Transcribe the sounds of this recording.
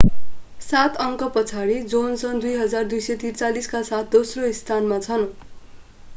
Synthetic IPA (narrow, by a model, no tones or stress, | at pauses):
sat̪ʰʌŋkʌpʌt͡sʰaɾid͡zonsʌnd̪ujɦʌd͡zard̪ujsʌjt̪irt͡saliskasat̪̚ʰd̪osroist̪ʰanmat͡sʰʌn